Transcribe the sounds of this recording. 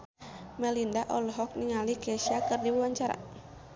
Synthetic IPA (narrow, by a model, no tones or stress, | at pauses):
mɛlindaʔɔlɔɦɔk̚niŋalikɛʃiakɨrdiwuwaɲt͡ʃaɾa̰